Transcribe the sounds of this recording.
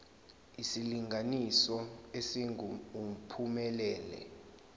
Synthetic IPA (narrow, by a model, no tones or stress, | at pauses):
isiliŋɡʱanisɔesiŋuum̩pʰumɛlɛːlɛ̰